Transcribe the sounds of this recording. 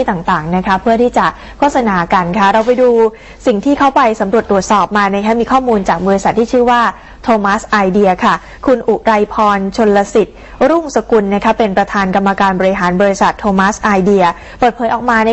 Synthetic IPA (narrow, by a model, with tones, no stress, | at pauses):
t̪aː˨˩ŋt̪aː˨˩ŋna˦˥kʰa˦˥pʰɯ˥˩ət̪ʰiː˥˩t͡ɕa˨˩ | kʰo˥˩t̪̚sa˧naː˨˧ka˧nkʰa˦˥ɾa˧wpa˧jduː˧ | si˨˩ŋt̪ʰiː˥˩kʰa˦˥wpa˧jsa˩˦mɾu˨˩t̪ːɾu˨˩ət̪̚sɔː˨˩p̚maː˧na˦˥kʰa˦˥miː˧kʰɔː˥˩muː˧nt͡ɕaː˨˩k̚bɔː˧ɾi˦sa˨˩t̪ʰːiː˥˩t͡ɕʰɯː˥˩waː˥˩ | t̪ʰoː˧maː˦˥sʔa˧jdi˧ɐkʰa˥˩ | kʰu˧nʔu˨˩ɾa˧jpʰɔː˧nt͡ɕʰo˧lːa˧si˨˩t̪̚ | ɾu˥˩ŋsa˧ku˧nːa˥kʰa˦˥pe˧npɾa˧t̪ʰaː˧nka˧mːa˧kaː˧nbɔː˧ɾi˧˥ɦaː˩˦nbɔː˧ɾi˧˦sa˨˩t̪ʰːoː˧maː˦˥sʔaː˧jdi˧ɐ | pəɤː˨˩t̪̚pʰɤː˨˦jʔɔː˨˩k̚maː˧na˧